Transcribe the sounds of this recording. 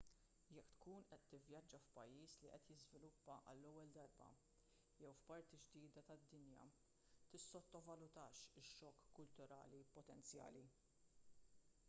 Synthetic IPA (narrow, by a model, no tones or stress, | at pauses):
jɛkːt̪kuːnʔɛt̪ːɪvjɐd͡ʒːɐfpɐjːiːsliʔɛt̪jɪzvɪlʊpːɐʔɐ̰lːɔwːɛld̪ɐɾbɐ̰ | jɛwfpɐɾt̪id͡ʒd̪iːd̪ɐt̪ɐd̪ːɪnjɐ̰ | t̪ɪsːɔt̪ːɔvɐlʊt̪ɐːʃɪʃːɔːkːʊlt̪ʊɾɐ̰ːlipɔt̪ɛnt͡sjɐ̰ːli